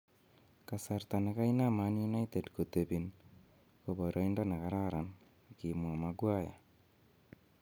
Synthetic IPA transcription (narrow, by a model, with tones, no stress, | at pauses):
ka˨sa˨ɾta˨na˨ka˦i˦na˦ma˨˦nju˦na˦jte˨dko˨te˨bi˨n | ko˨βo˨ɾʔa˨˦i˦nda˦na˨ka˦ɾa˦ɾa˨n | ki˨mwa˨ma˨ɡwa˦ja̰˨